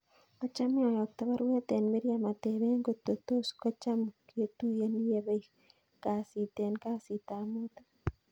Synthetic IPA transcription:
kɔ˦t͡ʃa˦mɪ˦ɔ˨jɔ˨k̚t̪a˦βa˦ɾwɛ˦t̪ɛ˨nme˦ɾja˨ma˨t̪e˨βe˦ŋɡo˨t̪o˨t̪o˦ska˦t͡ʃa˦mke˨t̪u˦je˦nje˨βe˦i | ka˨si˨t̪ɛ˨nka˦si˨t̪a˨mo˦t̪a˦

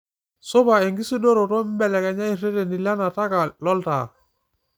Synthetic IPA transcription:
so˦ba˨e˨ŋɡi˦si˦do˦ɾo˨tɔ˦m˦bɛ˨lɛ˨ka˨ɲa˦i˨re˦de˨ni˨la˦na˨ta˦ka˨lɔ˦lta̰˨

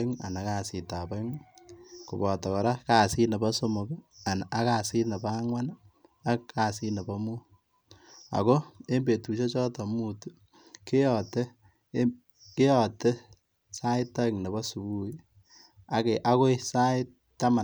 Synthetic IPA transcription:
ŋa̰˨na˨ka˦si˨ta˨pa˦ŋ | ku˨bɔ˨tɔ˨kɔ˨ɾa˦ka˨si˦ne˨pa˦so˦mo˨ka˨na˨˦ka˨si˦ne˨pa˦ŋwa˦na˦kkːa˨si˦ne˨pa˦muː˦ | a̰˨ko˦e˦mbe˨tu˨ʃe˦t͡ʃɔ˦tɔ˨mu˨tu˦ | ke˦jɔ˨te˦ | ke˦jɔ˨te˦ | sa˦ɪ˦ta˦ŋne˨bɔ˦su˨bu˦i˦ | a˨keʔa˦ko˦i˦sa˦ɪ˦ | ta˦ma˨

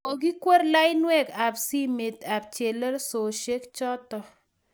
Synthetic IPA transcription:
o˨k̬i˦kwo˦ɾla˦jnwɛ˦ka˨psi˦me˨t̪a˨p̚t͡ʃe˨lə˦lso˨ʃe˦kt͡ʃɔ˦tɔ˨

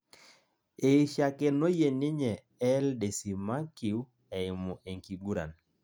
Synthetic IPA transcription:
e˨ʃa˨kɛ˨no˦je˨nɪ˦ɲɛ˨ | ɛ˦lde˨si˨ma˦ki˨w | ɛ˨ɪ˨mɔ˨ʔe˨ŋki˨ɡu˦ɾa̰˨n

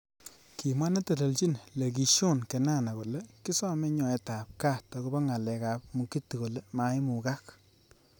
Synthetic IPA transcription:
ki˨mwa˦na˦te˨to˨lt͡ʃi˦nle˨ɡi˨ʃo˦˨nkɛ˨na˦˨na˨ko˨le˦ki˦sɔ˦mɛ˦ɲɔ˨ɛ˨ta˨p̚ka˦˨tɔ˨ku˦ba˦ŋa˨lɛ˨ka˨p̚mu˨ki˦tːi˨ko˨le˦ma˦jmu˨ka˦k

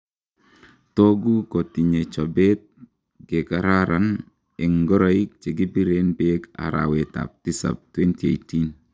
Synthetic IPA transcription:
to˦ɡu˦ko˨ti˨ɲe˨t͡ʃo˨be˦t̚ | ɡe˨kaɾaɾan | ɛ˨ŋɡɔ˦ɾo˦ik̚t͡ʃe˨ɡi˦bi˦ɾenbeka̰˨ɾa̰weta̰p̚ti˦sa̰˨p̚twe˦ntie˨itin

